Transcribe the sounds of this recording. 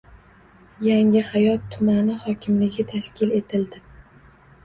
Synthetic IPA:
jaŋɪhajɒt̪ʰːʊmanɪhɒkʲʰɪmlɪɡʲɪt̪ʰaʃkʲʰɪle̞t̪ʰɪld̪ɪ

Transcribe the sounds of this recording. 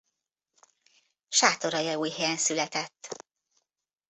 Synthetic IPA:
ʃaːt̪o̞ɾɒjɒuːjɦɛjɛnsylɛt̪ɛt̪ː

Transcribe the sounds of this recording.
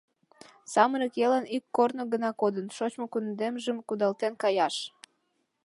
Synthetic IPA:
sɑməɾəkelɑnikːornoɣənɑkod̪ənʃot͡ɕmokund̪emʒəmkud̪ɑlt̪enkɑjɑʃ

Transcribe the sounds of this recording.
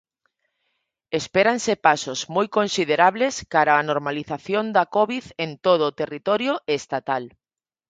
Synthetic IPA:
espeɾansepasozmojkõnsiðeɾaβleskaɾaːnoɾmaliθaθjond̪akɔβiðent̪oð̞oːt̪erit̪ɔɾjoʔeːst̪at̪al

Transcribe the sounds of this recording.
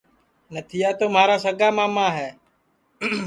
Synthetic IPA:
nət̪ʰɪjaːt̪oːmaːɾaːsəɡaːmãːmãːɦɛː

